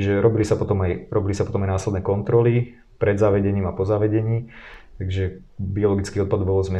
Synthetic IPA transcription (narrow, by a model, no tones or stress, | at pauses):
iʒɛɾɔbilisapɔt̪ɔmajɾɔbilisapɔt̪ɔmajnaːslɛd̪nɛːkɔnt̪ɾɔli | pɾɛd̪zaʋɛɟɛɲiːmapɔzaːʋɛɟɛɲiːt̪aɡʒɛ | biɔlɔɡit͡skiːɔt̪̚pad̪bɔlzmɛ